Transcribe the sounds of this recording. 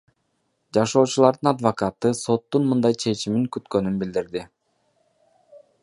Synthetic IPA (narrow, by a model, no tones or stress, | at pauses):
d͡ʒɑʃo̞ːt͡ʃulˠɑɾd̪ɯnɑd̪vokɑt̪ɯso̞t̪ːunmɯnd̪ɑjt͡ʃʰe̞t͡ʃimiŋkyt̪kø̞nynbild̪iɾd̪i